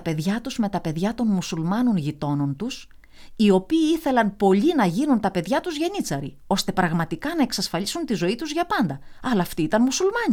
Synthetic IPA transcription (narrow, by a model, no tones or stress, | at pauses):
ɐpe̞ðʝɐt̪uzme̞t̪ɐpe̞ðʝɐt̪o̞nmusulmɐno̞nʝit̪o̞no̞nt̪us | io̞piːiθe̞lɐnpo̞ʎinɐʝinunt̪ɐpe̞ðʝɐt̪uzʝe̞nit͡sɐɾḭ | o̞st̪e̞pɾɐɣmɐt̪ikɐnɐe̞ksɐsfɐlisunt̪izo̞it̪uzʝɐpɐnd̪ɐɐlɐːft̪iit̪ɐnmusulmɐɲi